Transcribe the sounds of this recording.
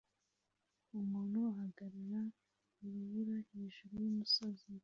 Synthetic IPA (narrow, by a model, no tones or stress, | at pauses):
umuːnhuahaɡaɾiɾa | iβiβuɾahe̞ːʒuɾujumusozi